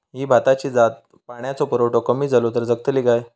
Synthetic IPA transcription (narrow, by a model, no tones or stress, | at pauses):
ɦiːbʱat̪at͡ɕiːd͡zat̪̚ | paɽ̃jat͡sɔpəɾoʈokəmiːd͡zʱalot̪̬əɾd͡zəɡ̚t̪əlikaj